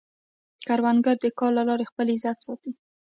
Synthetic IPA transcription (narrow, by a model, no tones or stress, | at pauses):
kaɾwanɡaɾd̪əkɑɾlalɑɾexpəlizat̪sɑt̪i